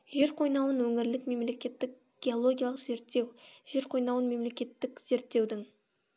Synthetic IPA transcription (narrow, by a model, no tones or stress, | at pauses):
ʒe̞ɾqʰo̞jnɑwənwɵŋɪɾlɪkme̞mle̞kʲe̞t̪ːɪk̚ | ɡ̥ʲe̞olˠoɡʲijɑlˠəqz̥e̞ɾt̪ːe̞wʒ̥e̞ɾqʰo̞jnɑwənme̞mle̞kʲe̞t̪ːɪkz̥e̞ɾt̪ːe̞wd̪ɪŋ